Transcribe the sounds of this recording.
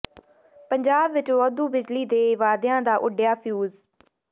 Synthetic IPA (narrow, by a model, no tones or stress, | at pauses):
pəɲd͡ʒaːbʋɪt͡ʃʋɔːd̪uːbɪd͡ʒliːd̪eːʋaːd̪ɪjãːd̪aːʔʊɖɪjaːpʰjuːz